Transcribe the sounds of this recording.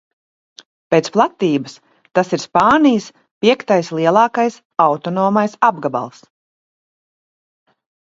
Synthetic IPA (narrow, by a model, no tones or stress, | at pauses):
peːt̪splˠat̪iːbəs | t̪asiɾspaːnijəs | pʲiɛkt̪ajslˠiɛlˠɑːkajs | awt̪ɔnɔːmajsabɡaba̰lˠs